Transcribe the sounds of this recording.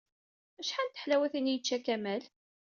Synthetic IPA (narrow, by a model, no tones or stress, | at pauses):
æʃħant̪ə̥ħlæwæθinjət͡ʃːækæmæl